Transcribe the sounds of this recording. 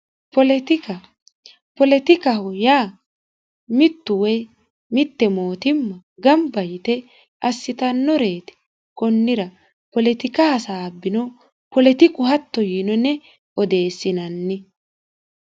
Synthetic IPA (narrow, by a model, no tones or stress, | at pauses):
pɔlɛt̪ɪkɐ | pɔlɛt̪ɪkɐhɔjaː | mɪt̪ːʊwɛj | mɪt̪ːɛmo̞ːt̪ɪmːɐ | ɡɐmbɐjɪt̪ɛ | ʔɐsːɪt̪ɐnːɔɾeːt̪ɛ̥ | kɔnːɪɾɐ | pɔlɛt̪ɪkɐhɐsabːɪnɔ | pɔlɛt̪ɪkʼʊhɐt̪ːɔjiːnɔnɛ | ɔd̪e̞ːsːɪnɐnːɪ